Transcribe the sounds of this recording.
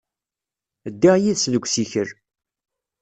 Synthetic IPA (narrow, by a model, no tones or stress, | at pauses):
əd̪ːiʁjiðsnəɡʷsiçəɾ